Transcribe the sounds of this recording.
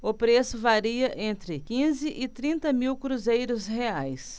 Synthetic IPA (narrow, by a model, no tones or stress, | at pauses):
ʊpɾesʊvaɾiɐʔẽnt̪ɾɪkĩzɪʔɪt̪ɾĩnt̪ɐmiwkɾuzejɾʊsɦeajs